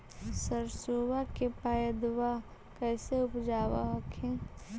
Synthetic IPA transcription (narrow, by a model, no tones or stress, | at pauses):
səɾsoːwakepaːjəd̪ʋa | kɛːseʊpd͡ʒaːʋaɦkʰẽː